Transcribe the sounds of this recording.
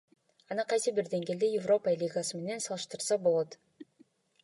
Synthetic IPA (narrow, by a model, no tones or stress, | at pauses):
ɑnɑqʰɑjsəbɪɾd̪e̞ŋɡʲe̞ld̪ejɪvro̞pəlʲiɡasəme̞ne̞nsɑlˠɯʃt̪ɯɾsɑbo̞lˠot̪